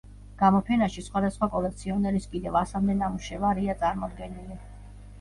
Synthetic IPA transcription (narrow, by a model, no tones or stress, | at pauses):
ɡ̥amɔpʰɛnaʃisχwad̪asχwakʼɔlɛk̚t̪sʰiɔnɛɾiskʼid̪ɛvasamd̪ɛnamuʃɛvaɾiat̪sʼaɾmɔd̪ɡɛnili